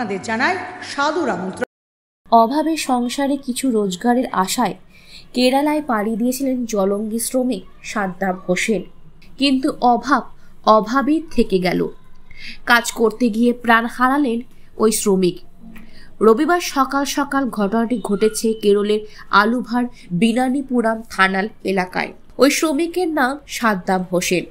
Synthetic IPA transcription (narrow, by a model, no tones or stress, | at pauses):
ad̪eɾd͡ʑanaeʃad̪uɾamɔnt̪ɾ | ɔbʱabeɾʃɔŋʃaɾekit͡ɕʰuɾod͡ʑɡaɾeɾʔa̰ʃaekeɾalaepaɽied̪ijet͡ɕʰilend͡ʑɔloŋɡisɾomik̚ʃad̪ːabhoʃenkint̪uʔɔbʱab̚ | ɔbʱabit̪ʰekeɡɛlo̰ | kad͡ʑkoɾt̪eɡiepɾanhaɾalen | ojsɾomik | ɾobibaɾʃɔkalʃɔkalɡʱɔʈonaʈiɡʱoʈet͡ɕʰekeɾoleɾ | alubʱaɾ | binanipuɽamt̪ʰanalelaka̰e | ojsɾomikeɾnamʃat̪̚d̪amɦoʃen